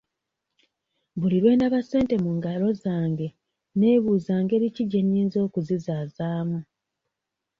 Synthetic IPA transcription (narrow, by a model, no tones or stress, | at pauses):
βuliɾwe̞ːndaβase̞ːnte̞muːŋɡalo̞zaːŋɡe̞ | ne̞ːβuːzaːŋɡe̞ːɾiciɟeniːnzo̞ːkuzizaːzaːmu